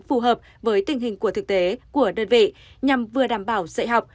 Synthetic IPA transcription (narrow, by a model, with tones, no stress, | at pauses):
fu˨˩ɦəː˨˩p̚ | vəː˨˦jt̪ï˨˩ŋ̟ɦï˨˩ŋ̟ku˧˩ət̪ʰɨ˨˩k̚t̪e˨˦ku˧˩əɗəː˧˩nvḛ˧˨ɲa˨˩mvɨ˨˩əɗaː˧˩mɓaː˧˩wzə̰˧˨jɦa˨˩wk͡p̚